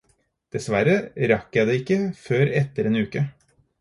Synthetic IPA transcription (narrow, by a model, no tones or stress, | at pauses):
d̪̥ɛsʋæɾəɾɑkːjæɪd̪eːɪkːəføːɾɛt̪ːəɾeːnʉːkə